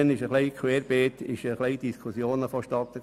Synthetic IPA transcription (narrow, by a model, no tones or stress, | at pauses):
ənɪʃəχliɪkʰweːɾb̥eːt̪ɪʃəχliɪd̥iskʰusjoːnəfoʃtɑt̪ːə